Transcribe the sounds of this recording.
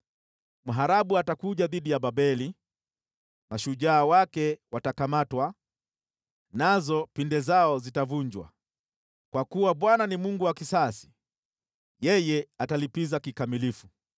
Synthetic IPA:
m̩ɦaɾaɓuatakuʄaðiɗijaɓaɓɛli | maʃuʄaːwakɛwatakamatwa | nazɔpindɛzaɔzitavuɲd͡ʒwa̰ | kwakuwaɓwananimuŋɡuwakisasi̥ | jɛjɛatalipizakikamilifu

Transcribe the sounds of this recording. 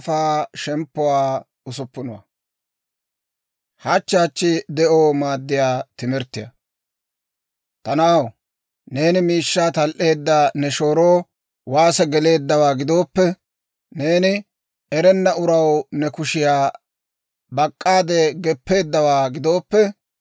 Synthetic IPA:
faːʃɛmpːʊwaː | ʊsʊpːʊnɔwa̰ | hɐt͡ʃːaːt͡ʃːɪd̪ɛʔoːmaːd̪ːɪjaːt̪ɪmɛɾt̪ːɪjɐ̰ | t̪ɐnaːw | ne̞ːnɪmiːʃːaːt̪ɐlʔe̞ːd̪ːɐnɛʃo̞ːɾoː | waːsɛɡɛle̞ːd̪ːɐwaːɡɪd̪o̞ːpːɛ | ne̞ːnɪ | ɛɾɛnːɐʊɾɐwnɛkʊʃɪjaː | bɐkʼːaːd̪ɛɡɛpːe̞ːd̪ːɐwaːɡɪd̪o̞ːpːɛ

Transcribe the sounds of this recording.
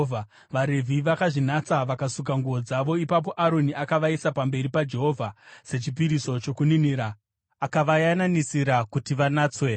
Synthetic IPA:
vʱa | ʋaɾe̞vʱiʋakaʐinat͡saʋakasuk̬aŋɡuʋo̞d͡zaʋo̞ipap̬o̞ʔaɾo̞niʔakaʋaisapambe̞ɾipad͡ʒe̞ɦo̞vʱase̞t͡ʃip̬iɾiso̞t͡ʃo̞kuniniːɾaː | kaʋajananisiɾakutiʋanaːt͡swe̞

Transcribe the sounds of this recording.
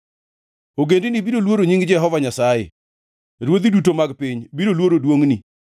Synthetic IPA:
oɡendinibiɾolwoɾoɲiŋɡd͡ʒɛɦɔvaɲasajḛ | ɾwod̪idutomaɡpiɲbiɾolwoɾodwoŋni

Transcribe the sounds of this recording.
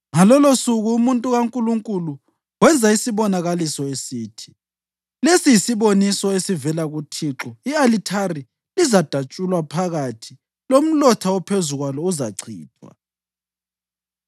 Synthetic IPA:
ŋalɔlosuɣuumuntʼuɣaŋkʼuluŋkʼulu | wɛnd͡zʱaisiβɔnaɣalisɔesiːtʰi̥ | lesijisiβonisɔesivɛlaɣutʰiǁɔialitʰari | lizad̥ʱat͡ʃʼulwapʰaɣatʰi | lom̩lɔtʰawɔpʰezuɣwalɔuzaǀʰʱḭːtʰʼwa̰

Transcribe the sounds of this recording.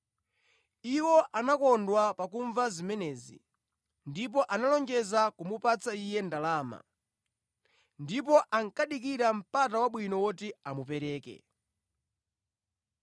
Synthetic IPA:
iwɔʔanakɔndwapakuɱvazimɛnɛːzḭ | ndip̬ɔʔanalɔŋɡɛzakumupat͡saijɛndalaːma̰ | ndip̬ɔʔaŋ̩kaɗikiɾam̩patawaɓwinɔwɔtiamupɛɾɛːkɛ̰

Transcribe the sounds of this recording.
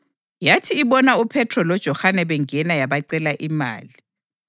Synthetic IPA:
jatʰiːβɔnaupʰɛtʰrɔlɔd̥ʒ̥ʱɔhanɛβɛŋɛnajaβaǀɛlaʔima̰ːli

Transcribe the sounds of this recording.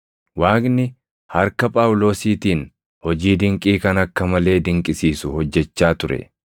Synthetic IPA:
waːknɪ | hɐɾkɐpʼaːwʊlo̞ːsiːt̪iːn | hɔd͡ʒiːd̪ɪŋkʼiːkɐnɐkːɐmɐle̞ːd̪ɪŋkʼɪsiːsʊhɔd͡ʒːɛt͡ʃːaːt̪ʊɾɛ̰

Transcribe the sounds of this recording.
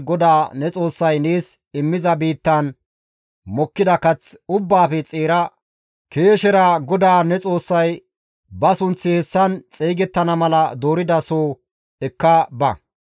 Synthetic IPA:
ɡɔd̪aːnɛt͡sʼo̞ːsːɐjneːs | ɪmːɪzɐbiːt̪ːɐn | mɔkːɪd̪ɐkɐt͡sʊbːaːfɛt͡sʼeːɾɐ | keːʃɛɾɐɡɔd̪aːnɛt͡sʼo̞ːsːɐj | bɐsʊnt͡sːɪhɛsːɐnt͡sʼeːɡɛt̪ːɐnɐmɐlɐd̪o̞ːɾɪd̪ɐsoː | ɛkːɐbɐ̰

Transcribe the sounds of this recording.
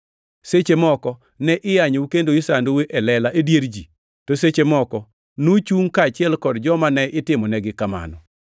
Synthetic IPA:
set͡ʃemɔkɔ | nɛʔɪjaɲukendoisandoweʔɛlɛlaʔedjeɾd͡ʒi | toset͡ʃemɔkɔ | not͡ʃuŋkaːt͡ʃɪɛlkɔdd͡ʒɔmanɛʔɪtɪmɔnɛɡɪkama̰nɔ̰

